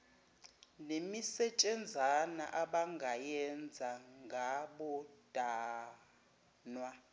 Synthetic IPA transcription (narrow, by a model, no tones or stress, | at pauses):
nemisɛt͡ʃʼɛnd͡zʱana̰ʔaɓaŋɡʱajɛnd͡zʱaŋɡʱaɓɔd̥ʱʼaː | nwa